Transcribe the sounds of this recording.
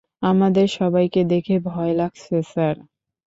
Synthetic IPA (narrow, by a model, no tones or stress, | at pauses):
amad̪eɾʃɔbajked̪ekʰebʱɔelaɡ̚t͡ɕʰesaɾ